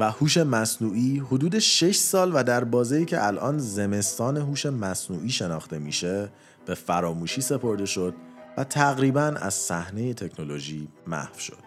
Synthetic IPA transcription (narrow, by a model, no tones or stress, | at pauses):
væhuːʃe̞mæsnuːʔiːhod̪uːd̪eʃe̞ʃsɒːlvæd̪æɾbɒːzejiːcʰe̞̰ʔælʔɒːnze̞me̞st̪ɒːne̞ɦuːʃe̞mæsnuːʔiːʃe̞nɒːxt̪e̞miːʃe̞ | b̥e̞fæɾɒːmuːʃiːse̞pʰo̞ɾd̪e̞ʃo̞d̪̥̚væt̪ʰæɣɾiːbænæ̰z̥sæhne̞je̞t̪ʰe̞cʰno̞lo̞ʒiːmæ̰hvʃo̞̰d̪̥